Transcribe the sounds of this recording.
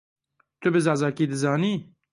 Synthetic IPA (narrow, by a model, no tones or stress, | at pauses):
t̪ʊbɨzɑːzɑːkiːd̪ɨzɑːniː